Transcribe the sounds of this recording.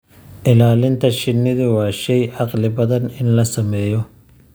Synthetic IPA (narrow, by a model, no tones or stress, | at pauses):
ʔɪlaːlɪnt̪ʰɐʃɪnːɪðʊwɑːʃɛjʕɑqlɪbɐðɐnɪnlɐsɐmɛːjɔ